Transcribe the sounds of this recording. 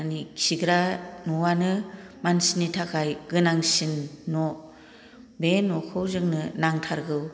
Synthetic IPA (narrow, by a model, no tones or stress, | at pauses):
aniksiɡɾanuwanɯmansinitʰakʰajɡɯnaŋsinːɔ | benɔkʰɯwzɯŋnɯnaŋtʰaɾɡɯw